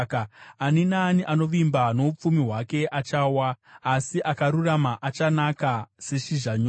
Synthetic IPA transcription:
kaninaniʔano̞ʋimbano̞up͡fumiɦwake̞ʔat͡ʃaːwaːsiʔakaɾuramaʔat͡ʃanakase̞ʃiʐaɲo

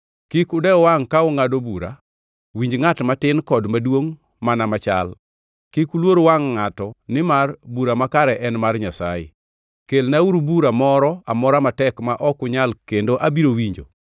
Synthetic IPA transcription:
kikʊdɛwaŋkaʊŋadobuɾa̰ | wiɲd͡ʒŋatmatɪnkɔdmadwoŋ | manamat͡ʃa̰l | kikulwoɾowaŋːatɔnɪmarbuɾamakaɾɛʔɛnmarɲasa̰jɪ̰ | kelnauɾubuɾamɔɾɔamɔɾamatɛkmaʔɔkʊɲalkendoʔabiɾowiɲd͡ʒo̰

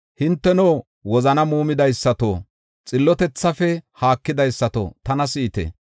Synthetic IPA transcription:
hɪnt̪ːɛno | wɔzɐnɐmuːmɪd̪ɐjsːɐt̪o̰ː | t͡sʼɪlːɔt̪ɛt͡sːɐfɛhaːkːɪd̪ɐjsːɐt̪o̰t̪ɐnɐsɪːt̪ɛ̰

